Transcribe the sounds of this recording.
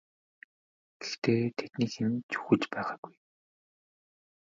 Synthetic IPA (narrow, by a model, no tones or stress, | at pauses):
ɡ̥ext̪eːt̪ʰet̪niːxɘ̆nt͡ɕʰu̥xɵ̆t͡ɕpæːʁaːɡ̥uj